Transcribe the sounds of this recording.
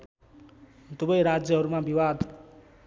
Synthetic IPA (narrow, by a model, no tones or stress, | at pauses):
t̪ubʌjɾad͡zjʌɦʌɾumabiwad̪